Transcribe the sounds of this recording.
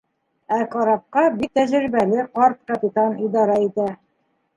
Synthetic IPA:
æqɑɾɑp̚qɑbit̪æʑɾibælɘqɑɾt̪̚kɐpʲit̪ɑnid̪ɑɾɑit̪æ

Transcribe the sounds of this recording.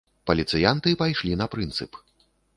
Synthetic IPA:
pɐlʲit̪sɨjant̪ɨpajʂlʲinɐpɾɨnt̪sɨ̰p

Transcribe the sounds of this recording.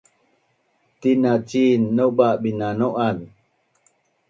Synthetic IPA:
tinat͡ʃinːoɓaʔɓinanoʔabi

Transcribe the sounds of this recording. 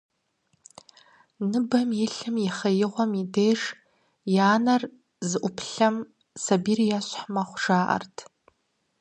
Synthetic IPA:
nɨbamjiɬɨmiχajɪʁʷamidejʐ | jaːnar | zʔʷʊpʰɬam | sabirijaʃʷħmaχʷʈ͡ʂaːʔa̰rtʰ

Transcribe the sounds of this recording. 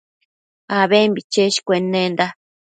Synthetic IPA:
aβembit͡ʃeʃi̥kʷenːẽnd̪a

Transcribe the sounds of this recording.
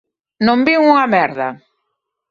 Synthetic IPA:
nõmbiŋuŋɐmɛɾðɐ

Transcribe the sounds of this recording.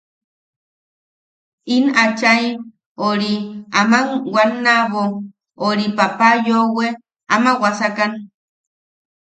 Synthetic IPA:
inat͡ʃaj | oɾiamaŋwanːaβo | oɾipapajowe | amawasakan

